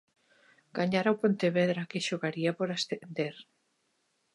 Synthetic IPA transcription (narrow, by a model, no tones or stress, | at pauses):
ɡ̥aɲaɾawpont̪eβeðɾakeʃoɣaɾiapoɾast̪end̪eɾ